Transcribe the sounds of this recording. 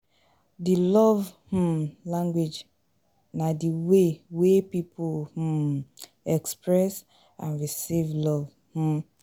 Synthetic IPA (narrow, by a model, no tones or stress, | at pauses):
dilɔvh̩lãŋɡwed͡ʒ | nadiwewepipʰolh̩ | ɛkspɹɛs | ãnɹisivlɔv | h̩